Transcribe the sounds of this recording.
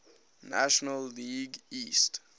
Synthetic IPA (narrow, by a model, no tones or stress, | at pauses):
na̰ʃɔnəlːiɡist